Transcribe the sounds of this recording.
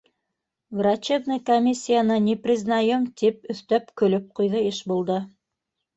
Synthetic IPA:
vrat͡ɕebnɤjkomʲisʲːijanɤnʲiprʲiznajɤmt̪ipɵ̆θt̪æpkɵ̆lɵp̚qujðɤeʃbulˠd̪ɤ

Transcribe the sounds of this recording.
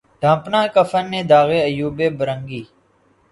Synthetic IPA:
ɖʱãːpnãːkəfʰənːẽːd̪aːɣeːəjuːbeːbəɾəŋɡiː

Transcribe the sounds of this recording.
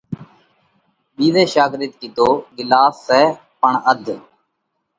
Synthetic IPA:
biːʋeːʃaːɡɾɪt̪̚kid̪oːɡɪlaːsːɛː | pəɳəd̪ʱ

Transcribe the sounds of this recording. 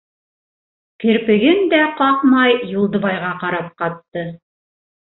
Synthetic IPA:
kɘ̆ɾpɘ̆ɡɘnd̪æqɑqmɑjjulˠd̪ɤ̆βɑjʁɑqɑɾɑp̚qɑt̪ːɤ

